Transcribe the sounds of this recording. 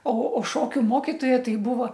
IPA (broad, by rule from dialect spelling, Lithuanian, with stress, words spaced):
oː oː ˈʃoːkʲʊ ˈmoːkʲɪtoːjɛ ˈtɐɪ ˈbuːʋoː